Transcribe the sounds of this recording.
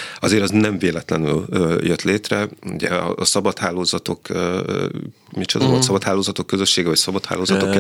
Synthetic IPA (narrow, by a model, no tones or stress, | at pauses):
ɒzeːɾɒznɛɱveːlɛt̪lɛnyljøt̪leːt̪rɛṵɟɛ̰ɒ̰ːsɒbɒt̪haːlːoːzɒt̪o̞kː | mit͡ʃo̰d̪ɒvolt̪sɒbɒt̪haːlːoːzɒt̪o̞kːøzø̞ʃːeːɡɛvɒcsɒbɒt̪ha̰ːlːoːzɒt̪okːɛ